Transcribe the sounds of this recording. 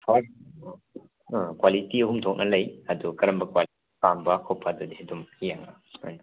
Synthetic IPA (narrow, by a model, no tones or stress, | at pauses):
pʰa | kwalitiɐɦumdʰʱɔk̚nɐlɐjɐd̪ukɐɾɐmbɐkwa | pambɐkʰɔpʰadɐdiɦedumijaŋa | ana